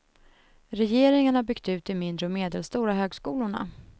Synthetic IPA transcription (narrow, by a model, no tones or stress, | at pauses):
ɾɛjeːɾɪŋaɳabʏɡt̪ʉ̟ːt̪ɪmɪnd̪ɾəɔmeːd̪ɛlst̪uːɾaɦøːɡskuːlʊɳa̰